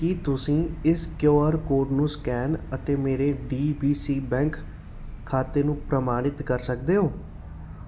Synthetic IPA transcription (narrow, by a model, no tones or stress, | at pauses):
kit̪ʊsĩːɪskjoːəɾkoːʈnũːskɛːnət̪eːmeːɾeːɖiːbiːsiːbɛ̃ːŋkʰː | aːt̪eːnũːpɾəmaːnɪt̪kəɾsək̚d̪eːɦoː